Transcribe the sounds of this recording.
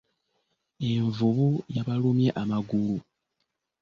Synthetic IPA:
e̞ɱvuβujaβalumje̞ʔamaɡulu

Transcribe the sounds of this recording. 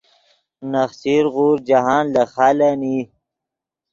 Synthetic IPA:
naxsiɾɣuːɾd͡ʒaɦɑːnlaxaːlani

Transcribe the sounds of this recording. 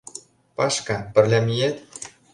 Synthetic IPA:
pɑʃkɑpɘ̆rlʲæmʲijet̪

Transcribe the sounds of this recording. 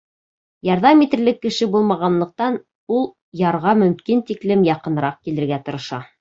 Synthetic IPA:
jɑɾðɑmit̪ɘ̆ɾlɘkːɘ̆ʃɘbulˠmɑʁɑnlˠɤ̆q̚t̪ɑn | ulˠ | jɑɾʁɑmɵ̆mkint̪iklɘmjɑqɤ̆nɾɑq̚kilɘ̆ɾɡæt̪ɤ̆ɾɤ̆ʃɑ

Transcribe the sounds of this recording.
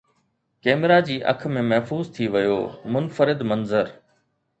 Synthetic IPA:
kɛːmɪɾad͡ʑiːʔɐ̰kʰmẽmɐɦfuːzt̪ʰiʋɐjo̰ːmʊnfəɾɪd̪mɐnzəɾ

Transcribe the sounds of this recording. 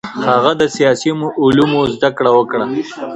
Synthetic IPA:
haɣad̪əsijɑsimʔʊlumozd̪akɽawəkɽa

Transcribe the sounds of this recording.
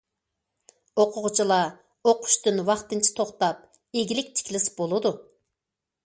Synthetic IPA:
oqʰʊʁt͡ʃʰilˠɑ | oqʰʊ̥ʃt̪ɨnwɑχt̪ɨnt͡ʃʰi̥t̪ʰoχt̪ɑp̚ | eɡʲilɪk̚ʲt̪ʰi̥kʲlɪsbolˠɨd̪u

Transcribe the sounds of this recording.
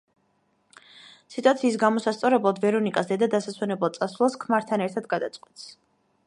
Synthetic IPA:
sit̪ʼuat̪sʰiːsɡamɔsast̪sʼɔɾɛblˠad̪vɛɾɔnikʼasd̪ɛd̪ad̪asaswɛnɛblˠt̪sʼasvlˠaskʰmaɾt̪ʰanɛɾt̪ʰad̪̚ɡad̪at̪sʼqʼwit̪s

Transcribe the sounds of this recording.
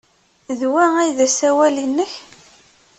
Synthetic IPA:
ðwææjðæsæwælinːəç

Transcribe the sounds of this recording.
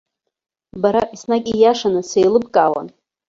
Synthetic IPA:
baɾaʔisnakʲʼijaʂanɨsejlɨbkʼawa̰n

